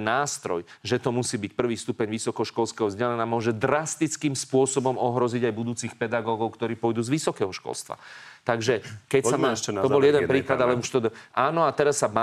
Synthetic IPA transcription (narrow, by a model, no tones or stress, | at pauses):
naːst̪ɾɔj | ʒɛt̪ɔmusiːbicpr̩ʋiːst̪upɛɲʋisɔkɔʃkɔlskɛɦɔzɟalɛnamʊɔʒɛd̪ɾast̪it͡skiːmspʊɔsɔbɔmɔɦɾɔziɟajbud̪uːt͡sixpɛd̪aɡɔːɡɔʊkt̪ɔɾiːpʊɔjd̪uːzʋisɔkɛːɦɔʃkɔ̰lst̪ʋa̰t̪aɡʒɛkɛcsaʃɛt̪ɔbɔljɛd̪ɛnpɾiːklad̪alɛuʃt̪ɔʔaːnɔat̪ɛɾasːaba